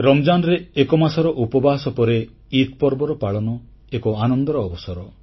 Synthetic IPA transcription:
ɾɔmd͡ʒanɔɾeekɔmasɔɾɔʔupɔbaɦsɔpɔɾe | it̪̚pɔɾbɔɾɔpaɭɔnɔ | ekɔanɔnd̪ɔɾɔːbɔsɔɾɔ

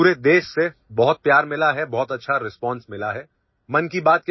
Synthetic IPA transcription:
uːɾed̪eːʃsebɔɦʊt̪̚pjaːɾmɪlaɦɛbɔɦt̪ɐtːʃʰaɾɪspɔ̃ːnsmɪlaɦɛː | mɐnkibaːt̪̚k

